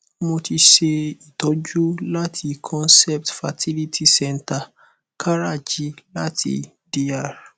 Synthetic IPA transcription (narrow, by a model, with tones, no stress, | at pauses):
mo˧ti˧ʃe˧i˨tɔ˨˦d͡ʒu˦la˦tʰi˧kʰɔ̃˦nsɛ˦p̚tfa˨tʰi˦li˦tʰi˦sɛ˦˨nta˨ | kʰa˦ɾa˦˨d͡ʒi˨˦la˦tʰḭ˧ | di˦a˦˨ɾ